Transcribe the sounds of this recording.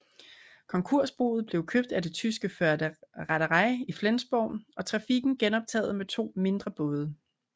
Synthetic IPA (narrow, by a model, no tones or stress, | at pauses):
kʰɒ̽ŋkʰo̝ɐ̰sb̥o̝̰ːð̩ˠb̥le̝ʊkʰøb̥d̥æd̥e̝t͡sʰys̬ɡ̥əfɶɐdəʁaɾəʁɑ̈ɪiflensb̥ɒʊnɒ̽t͡sʰʁɑ̈fiɡ̥n̩ɡ̥enɒ̽b̥̚t͡sʰɛ̰ːð̩ˠmet͡sʰo̝̰ːme̝nd̥ʁɐb̥ɔ̽ːð̞ˠə